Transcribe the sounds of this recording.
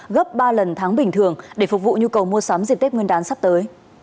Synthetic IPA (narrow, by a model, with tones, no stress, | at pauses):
ɣə˦˥p̚ɓaː˧lə˨˩nt̪ʰaː˨˦ŋɓï˨˩ŋ̟t̪ʰɨ˨˩əŋɗe˧˩fʊ˨˩k̚vṵ˧˨ɲu˧kə˨˩wmu˧əsaː˨˦mzi˨˩p̚t̪e˦˥p̚ŋə˧nɗaː˨˦nsa˦˥p̚t̪əː˨˦j